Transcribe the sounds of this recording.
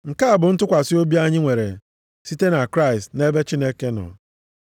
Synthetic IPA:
ŋ̩˨ka˦a˨bʊ˨n̩˦tʊ˦kʷa˨si˦o˦bi˦a˦ɲɪ˦ŋʷe˨ɾe˨ | si˦te˦na˨kɾa˦ɪ˨stne˦be˦t͡ʃi˦ne˦ke˦nɔ̰˨

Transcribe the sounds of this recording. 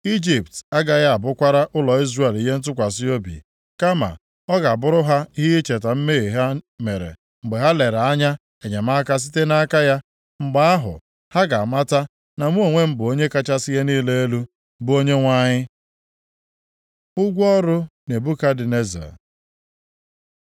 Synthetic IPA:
i˦d͡ʒi˨pta˦ɡa˨ja˦a˨bʊ˦kʷa˦ɾa˦ʔʊ˦lɔ˨i˦zre˨e˨li˨ɦe˦n̩˦t̬ʊ˦kʷa˨s̬i˦o˦bḭ˨ | ka˦ma̰˨ | ɔ˦ɡa˨bʊ˦ɾʊ˦ɦa˦i˦ɦi˦i˦t͡ʃe˨t̬a˨m̩˦me˦e˨ɦa˦me˨ɾḛ˨ | ŋ͡m̩˨ɡ͡be˨ɦa˦le˨ɾa˨a˦ɲa˦ | e˨ɲe˨ma˦ka˦s̬i̥˦te˦na˦ka˦ja˦ | ŋ͡m̩˨ɡ͡ba˦a˦ɦʊ̰˨ | ha˦ɡa˨ma˦ta˦ | na˨mu˦o˨ŋʷe˦m̩˦bʊ˨o˦ɲe˦ka˦t͡ʃa˦si˦je˦niː˦le˦e˦lu˦ | bʊ˦o˦ɲe˦ŋʷa˦ɲɪ˦ | ʊ˦ɡʷɔ˦ɾʊ˦ne˨bu˦ka˦dɪ˨ne˦za̰˨

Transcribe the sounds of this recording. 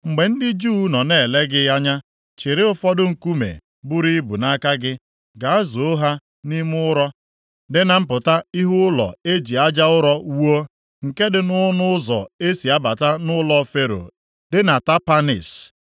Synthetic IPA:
ŋ͡m̩˨ɡ͡be˨n̩˦dɪ˦d͡ʒu˦nɔ˨ne˦˨le˦ɡɪ˦a˦ɲa˦ | t͡ʃɪ˨ɾɪ˦ʊ˦fɔ˦dʊ˦ŋ̩˨ku˦mḛ˨ | bʊ˦ɾi˦bṵ˨na˦ka˦ɡɪ˦ | ɡa˨a˦zo˨o˦ɦa˦ | ni˦m˦ʊ˦ɾɔ˦ | dɪ˦na˨m̩˦pʊ˨ta˦i˦ɦʊ˦ʊ˦lɔ̰˨e˦d͡ʒi˨a˦d͡ʒa˦ʊ˦ɾɔ˦wo˦ | ŋ̩˨ke˦dɪ˨nʊ˦nʊ˦ʊ˦zɔ̰˨e˦si˨a˦ba˨ta˦nʊ˦lɔ˦fe˦ɾo̰˨ | dɪ˦na˨ta˦pa˦nḭ˨s

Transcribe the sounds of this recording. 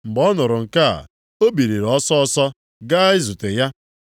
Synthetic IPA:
m̩˨bɔ˦nʊ˨ɾʊ˨ŋ̩˨ka̰˦˨ | o˦bi˨ɾi˨ɾɔ˦sɔ˦ɔ˦sɔ˦ | ɡa˦ɪ˦zu˨te˨ja˦

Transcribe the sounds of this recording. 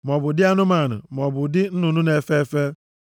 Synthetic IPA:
m˨ɔ˨bʊ˨dɪ˦a˦nʊ˦ma˨nʊ̰˨mɔ˨bʊ˨dɪ˦n̩˦nu˨nu˦ne˨fe˦fe˦

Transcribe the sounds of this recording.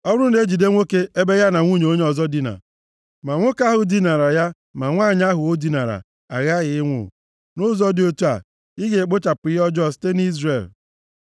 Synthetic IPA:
ɔ˦wʊɾʊ˦n̩˨e˦d͡ʒi˨de˦ŋʷo˦ke˦e˦be˦ja˦na˨ŋʷu˦ɲe˨o˦ɲe˦ɔ˨zɔ˦di˦na̰˨ | ma˨ŋʷʊ˦ka˦ɦʊ˨di˦na˨ɾa˨ja˦ | ma˨ŋʷa˦˨ɲ˦a˦ɦʊ˨o˦di˦na˨ɾa̰˨ | a̰˨ɣa˦ɣɪ˨ɪ˦ŋʷʊ̰˨ | nʊ˦zɔ˦dɪ˨˦o˦tu˦a̰˨ | ɪ˦ɡe˨k͡pʊ˦t͡ʃa˨pɪ˨˦jɔ˦d͡ʒɔ˦˨s̬te˦n˦i˦zre˨l

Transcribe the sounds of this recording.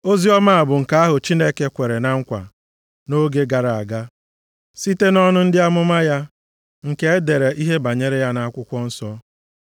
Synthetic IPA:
o˦zi˦ɔ˦ma˦a˨bʊ˨ŋ̩˨ka˨a˦ɦʊ˨t͡ʃi˦ne˦ke˦kʷe˨ɾe˨na˦ŋ̩˦kʷa̰˨ | no˦ɡe˦ɡa˨ɾa˨a˨ɡa˦ | si˦te˦nɔ˦nʊ˦n̩˦dɪ˦a˦mʊ˦ma˦ja˦ | ŋ̩˨ke˦e˦de˨ɾe˨ʔi˦ɦe˦ba˨ɲe˦ɾe˦ja˦na˨a˦kʷʊ˦kʷɔ˦n̩˦sɔ˦

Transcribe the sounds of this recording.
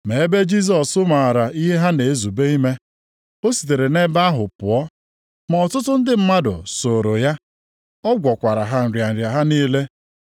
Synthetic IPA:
me˨e˦be˦d͡ʒi˦s̬ɔ˨sʊ˦ma˨ɾa˨ʔi˦ɦe˦ɦa˦ne˨e˦zu˨be˦i˦me˦ | o˦si̥˨t̬e˨ɾe˨ne˦ba˦a˦ɦʊ˨pʊ˨ɔ˦ | mɔ˨tʊ˦tʊ˦n̩˦dɪ˦m̩˦ma˦dʊ̰˨so˨ɾo˨ja˦ | ɔ˦ɡʷɔ˨kʷa˨ɾa˨ɦa˦n̩˨ɾja˨n̩˨ɾja˨ɦa˦niː˦le˦

